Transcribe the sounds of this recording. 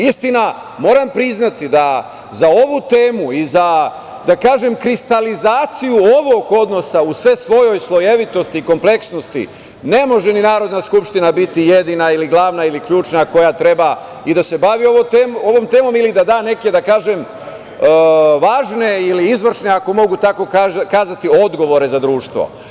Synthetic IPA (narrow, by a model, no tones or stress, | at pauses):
ist̪ina | mo̞ːɾampɾiznat̪id̪a | zao̞ʋut̪e̞ːmuiza | d̪akaːʒe̞mkɾist̪alizaːt̪sijuo̞ʋo̞ɡo̞d̪no̞sausʋe̞sʋo̞jo̞jslˠo̞jeʋit̪o̞st̪iːko̞mple̞ksno̞st̪ḭ | ne̞mo̞ʒeninaːɾo̞d̪naskupʃt̪inabit̪ije̞d̪inailiɡlˠaːʋnailikʎuːt͡ʃnako̞jat̪ɾe̞ba | id̪ase̞baʋio̞ʋot̪eːmoʋo̞mt̪eːmo̞milid̪ad̪aːne̞ke̞d̪akaːʒem | ʋaːʒne̞iliizʋr̩ʃneako̞mo̞ɡut̪ako̞kaːzat̪io̞d̪ɡo̞ʋo̞ɾe̞zad̪ɾuːʃt̪ʋo̞̰